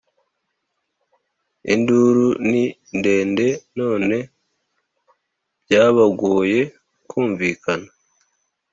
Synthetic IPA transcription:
ḭnduɾuninde̞ːnde̞no̞ːne̞ | b̥ɟaːβaɡoːje̞ | kuːɱviːkana

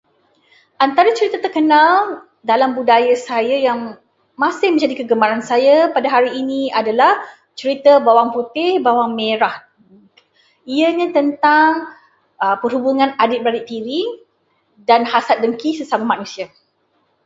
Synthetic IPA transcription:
ʔant̪aɾat͡ʃəɾit̪at̪ərkənal | dalambudajasajajaŋ | masɪhmə̃ɲd͡ʒadikəɡəmaɾansajapadaɦaɾiːniadalah | t͡ʃəɾit̪abawaŋput̪ɪhbawaŋmeɾah | iaɲãt̪ənt̪aŋ | əpərhubuŋãnadɪt̪̚bəɾadɪʔt̪iɾi | danhasat̪̚dəŋkisəsamamanũsia

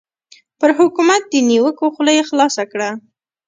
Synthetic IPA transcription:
pəɾɦʊkumat̪̚d̪əniwəkoxlajxlɑsakɽa

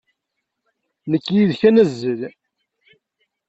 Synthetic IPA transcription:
nəkːjiðçænæzːəl

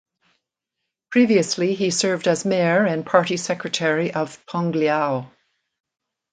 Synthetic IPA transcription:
pʰɹ̥iviəsliisɜ˞vdəzmɛɹɪ̃npʰɑɹɾisɛkɹɨtʰɛɹiʔʌv̥pʰɔ̃ŋɡliaʊ

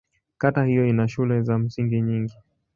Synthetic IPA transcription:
katahijɔinaʃulɛzam̩siŋɡiɲiŋɡi

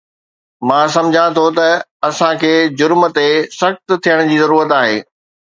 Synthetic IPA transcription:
mãːsɐ̃md͡ʑʱãt̪ʰot̪ɐɐsãkʰeːd͡ʑʊɾm̆t̪esɐxt̪̆t̪ʰijəɽ̃ʊd͡ʑiːzɐɾuːɾət̪aːɦeː

